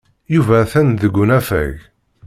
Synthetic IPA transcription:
juvæθænðəɡʷːʊnæfæ̰ʝ

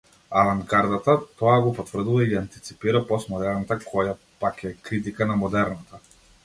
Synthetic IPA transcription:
avaŋɡaɾd̪at̪at̪ɔaɡɔpɔt̪vr̩d̪uvaiant̪it̪si̥piɾapɔsmɔd̪ɛɾnat̪akʰɔja | pakɛkɾit̪̬ikanamɔd̪ɛɾnat̪a

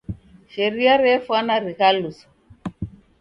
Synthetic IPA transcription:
ʃɛɾiaɾɛfwanaɾikalusɔ̥

